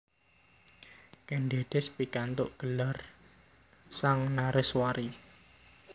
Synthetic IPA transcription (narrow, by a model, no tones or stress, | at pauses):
kɛnɖeɖ̪̥ɪspikant̪ʊ̰ʔɡ̥əlar | saŋnaɾɪswaɾi